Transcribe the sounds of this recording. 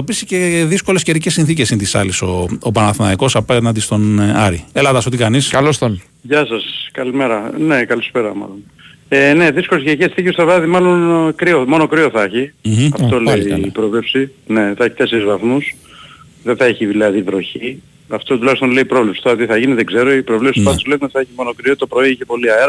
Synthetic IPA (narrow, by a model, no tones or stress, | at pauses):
opisi̥ceðisko̞le̞sceɾicesːinθicesint̪isɐ̰liso̞opɐnɐθnɐ̰iko̞sɐpɐnɐd̪ist̪o̞nɐɾielɐðɐsot̪ikɐniskɐlost̪on | ʝɐsɐskɐlimeɾɐne̞kɐlispe̞ɾɐmɐ̰lo̞n | ene̞ðiskoleceɾicesiθicest̪ɐðɾɐðimɐlo̞nkɾiomo̞no̞kɾioθɐçimɐft̪oleiiːpɾovle̞psine̞θɐçi̥t̪e̞se̞ɾizvɐθmus | ðeθɐeçiðilɐðivɾo̞çi | ɐft̪ot̪ulɐçist̪onle̞ipɾovlepsi̥t̪oɾɐt̪iθɐʝiniðeɡzeɾo̞ipɾovlepspɐt̪esleniðeθɐeçimo̞nokɾiot̪opɾo̞iiçe̞po̞liɐeɾɐ